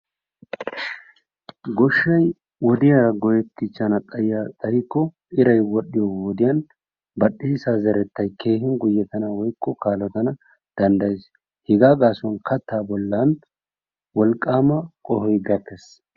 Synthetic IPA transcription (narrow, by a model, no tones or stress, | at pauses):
ɡɔʃːɐj | wɔd̪ɪjɐɾɐɡɔjɛt̪ːɪt͡ʃːɐnɐt̪ʼɐjjat̪ʼɐjɪkːɔ | ʔɪɾɐjwɔɗɪjɔwɔd̪ɪjɐn | bɐɗiːsazɐɾɛt̪ːɐjke̞ːhɪnɡʊjːɛt̪ɐnɐwɔjkːɔkaːlɔt̪ɐnɐ | d̪̥ɐnd̪ɐjɛs | hɪɡaːɡaːsɔnkɐt̪ːaːbɔlːɐn | wɔlkʼːaːmɐkʼɔhɔjɡɐkːɛs